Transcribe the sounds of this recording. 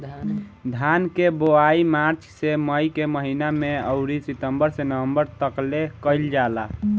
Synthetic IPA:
d̪ʱankeboaimaɾt͡ʃʰseməjkeməɦinameəʊɾisit̪əmbəɾsenəʋəmbəɾt̪əklekəɪld͡ʒala

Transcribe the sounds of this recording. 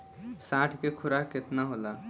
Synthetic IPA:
sãːʈʰkekʰʊɾakɪt̪naɦolaː

